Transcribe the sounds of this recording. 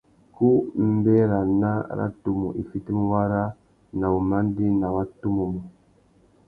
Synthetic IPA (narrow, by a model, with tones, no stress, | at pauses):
ku˦m̩˦bɛ˦ɾa˨na˦˨ɾa̰˦tu˨mṵ˨ʔi˨fi˦ti˦mu˦wa˦ɾa˦ | na˨wu˨ma˦n˦di˦na˨wa˦tu˦mu˨mu˨